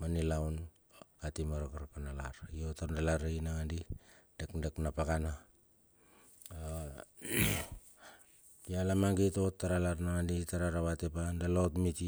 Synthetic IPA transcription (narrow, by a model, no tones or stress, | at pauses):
manilawn | katimaɾokaɾkanalaɾiotaɾndalaɾainaŋandid̥ekdeknapakana | jalamaŋɡito̞tːaɾalaɾnaŋanditaɾaɾaβatepandalotmiti